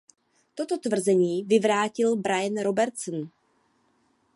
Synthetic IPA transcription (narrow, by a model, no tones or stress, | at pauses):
t̪o̞t̪o̞t̪vr̩zɛɲiːvɪvɾaːcɪlbɾajɛnɾo̞bɛɾt̪sn